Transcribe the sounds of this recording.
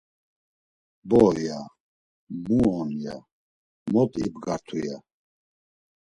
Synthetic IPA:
bɔja | muɔnja̰ | mɔt̪ʰʼḭbɡaɾt̪ʰuja

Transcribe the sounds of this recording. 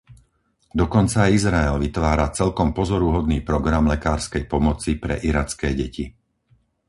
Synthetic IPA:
d̪ɔkɔnt͡saizɾaɛlʋit̪ʋaːɾat͡sɛlkɔmpɔzɔɾuɦɔd̪niːpɾɔɡɾamlɛkaːɾskɛjpɔmɔt͡sipɾɛ̰ʔiɾat͡skɛːɟɛci

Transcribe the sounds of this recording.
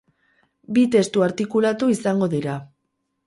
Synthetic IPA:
bit̪e̞st̪uaɾt̪ikulat̪uisaŋɡo̞ðiɾa

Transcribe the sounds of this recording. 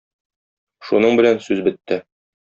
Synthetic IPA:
ʃunɤɴbɘ̆lænsʉzbɘ̆t̪ːɘ

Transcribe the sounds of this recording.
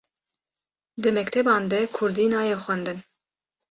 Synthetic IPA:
d̪ɨmɛkt̪ʰɛbɑːnd̪ɛkʰʊɾd̪iːnɑːjɛxʷɛnd̪ɨn

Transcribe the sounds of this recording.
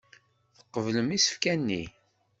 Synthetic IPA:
θə̥qːəvləmisə̥fkænːi

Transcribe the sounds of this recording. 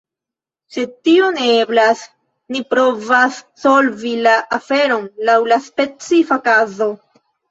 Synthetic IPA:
se̞d̚tioneeblas | nipɾo̞vasːo̞lvilaʔafe̞ɾo̞nlawlaspe̞t͡sifakazo̞

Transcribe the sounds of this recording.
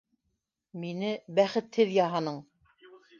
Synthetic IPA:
minɘbæχɘ̆t̪hɘðjɑɦɑnɤɴ

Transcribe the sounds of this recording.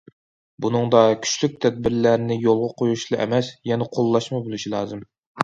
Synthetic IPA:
bunɨŋd̪ɑkʲʰy̥ʃlyk̚ʲt̪ʰɛd̪̚bɪɾlæɾnɪjolˠʁɑqʰojuʃlˠɨʔɛ̰mɛsjɛnɛqʰolˠːɑʃmɨbolˠɨʃilˠɑːzɨm

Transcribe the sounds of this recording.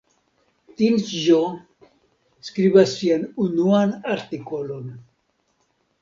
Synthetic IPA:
t̪inʒo | skɾibasːianunuanaɾt̪iko̞lo̞n

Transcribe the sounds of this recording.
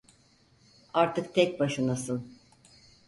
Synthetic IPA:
aɾt̪ʰɯkt̪ʰɛc̚ʲbaʃɯnasɯn

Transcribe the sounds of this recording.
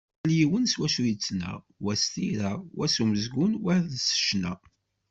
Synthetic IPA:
ljiwənswæʃujət͡sːnæ̰ | wæst̪iɾæwʔæsuməzɡʊnwæððsə̥ʃnæ̰

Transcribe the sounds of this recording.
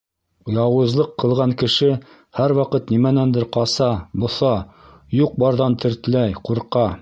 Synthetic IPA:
jɑwɤ̆zlˠɤqːɤ̆lˠʁɑŋkɘ̆ʃɘ | hæɾwɑqɤt̪nimænænd̪ɘɾqɑsɑbŏθɑ | juq̚bɑɾðɑnt̪ʰɘ̆ɾt̪ɘ̆læjquɾqɑ

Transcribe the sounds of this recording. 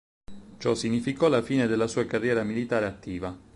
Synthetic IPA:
t͡ʃɔsiɲːifikɔlafiːned̪elːasuːakarːjɛːɾamilit̪aːɾeat̪ːiːva

